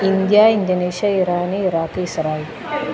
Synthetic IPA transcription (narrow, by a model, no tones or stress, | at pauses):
ind̪jaːind̪ɐneːʃɐiɾaːniɾaːt̪isɾaːil